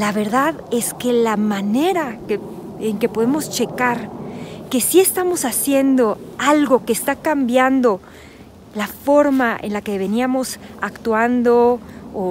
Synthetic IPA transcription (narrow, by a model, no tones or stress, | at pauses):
laβe̞ɾðaðe̞ske̞lamane̞ɾake | eŋke̞po̞ðemo̞st͡ʃe̞kaɾke̞sie̞st̪amo̞sasje̞nd̪o̞alɣo̞keːst̪akambjand̪o̞ | lafo̞ɾmaḛnlake̞βe̞niamo̞sakt̪wand̪oo